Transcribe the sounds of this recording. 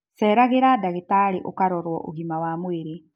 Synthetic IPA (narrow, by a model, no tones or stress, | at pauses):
sɛːɾaɣeɾadaɣetaɾeʔokaɾɔɾwɔʔoɣimawamweɾe